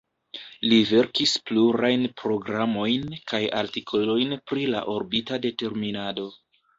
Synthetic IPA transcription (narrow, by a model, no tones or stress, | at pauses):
live̞ɾkispluɾajnpɾo̞ɡɾamo̞jnkaja̰ɾtikʰo̞lo̞jnpɾila̰ʔo̞ɾbitade̞te̞ɾminado̞